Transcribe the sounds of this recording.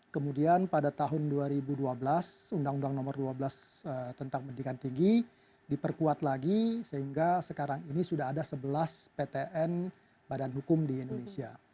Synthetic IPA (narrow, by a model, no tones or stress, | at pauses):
kəmudianpadat̪aɦʊnduaɾibuduabəlasundaŋundaŋnɔmərduabəlasət̪ənt̪aŋmədikant̪iŋɡi | dipərkuat̪laɡisəɦiŋɡasəkaɾaŋinisudaɦadasəbəlaspet̪eʔɛn | badanɦukʊmdiːndonesia